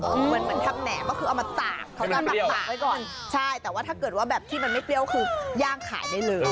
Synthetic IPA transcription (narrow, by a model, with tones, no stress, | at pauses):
ʔma˧nma˧˦nt̪ʰa˧mnɛ̰ː˩˦kɔː˥˩ɯː˧ʔwma˧t̪aː˨˩k̚ːʰa˦˥˦wa˥˩˨laː˨˩wa˦˥jkɔː˨˩nt͡ɕʰa˥˩jt̪ɛː˨˩waː˥˩a˥˩kɤ˨˩t̪̚waː˥˩bɛː˨˩p̚t̪ʰiː˥˩ma˧nma˥˩jpli˧˩əwkʰɯː˧jaː˥˩ŋkʰa̰ː˨˩˦jdaː˥˩jlɤː˧j